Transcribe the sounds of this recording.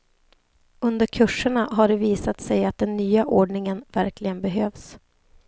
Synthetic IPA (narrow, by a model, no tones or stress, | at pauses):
ɵnd̪əɾkʰɵʂːəɳaɦaɖɛviːsat̪sɛjat̪̚d̪ɛnːyːaʔoːɖɳɪŋənvæɾklɪɡənbɛɦøːvs